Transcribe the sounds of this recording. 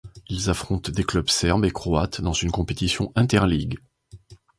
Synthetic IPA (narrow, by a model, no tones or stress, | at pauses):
ilzafχɔ̃t̪d̪eklœbsɛʁbekχɔat̪d̪ɑ̃zynkɔ̃pet̪isjɔ̃ʔɛ̃t̪ɛʁliɡ